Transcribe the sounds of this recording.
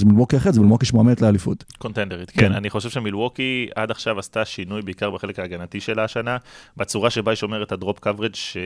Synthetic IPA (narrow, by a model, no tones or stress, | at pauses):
zemilwokiaχeʁzemilwokiʃmoamet̪lealifṵtko̞nt̪endeʁit̪kena̰niχo̞ʃevʃe̞milwo̞kia̰daχʃavast̪aʃinujbeikaʁbeχelekaːɡanatiʃe̞laːʃanabet͡suʁaʃe̞baiʃo̞me̞ʁet̪adʁopkavʁed͡ʒʃe